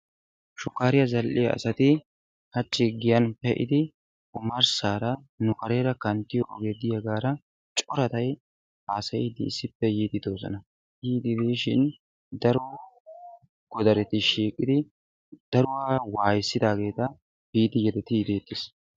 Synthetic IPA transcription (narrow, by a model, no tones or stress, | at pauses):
ʃʊkːaːɾɪjɐzɐlʔɪjɐɐ̰sɐt̪ɪ | hɐt͡ʃʼːɪɡɪjɐnpɛʔɪ̰d̪ɪ | kʊmɐɾsaːɾɐ | nʊkɐɾe̞ːɾɐkɐnt̪ːɪjɔʔɔɡeːd̪ɪjɐɡaːɾɐ | t͡ʃʼɔɾɐt̪ɐj | haːsɐjɪd̪ɪ̰ːsːɪpːɛjiːd̪ɪd̪oːzɔ̰nɐ | jiːd̪ɪd̪iːʃɪn | d̪ɐɾo | ɡ̥ɔd̪ɐɾɛt̪ːɪʃiːkʼɪd̪ɪ | d̪̥ɐɾʊwaːwaːjɪsːɪd̪aːɡe̞ːt̪ɐ | biːd̪ɪjɛd̪ɛt̪ɪd̪eːt̪ːɪs